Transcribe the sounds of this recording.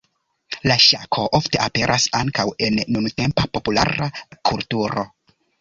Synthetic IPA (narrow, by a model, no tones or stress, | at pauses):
laʃakʰo̞ʔofte̞ʔape̞ɾʔasaŋkawe̞nːunute̞mpapo̞pula̰ɾakʰultuɾo̞̰